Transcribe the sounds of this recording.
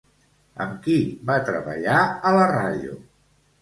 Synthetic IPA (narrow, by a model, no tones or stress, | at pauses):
ə̰mkibat̪ɾəβə̰ʎaələraðiṵ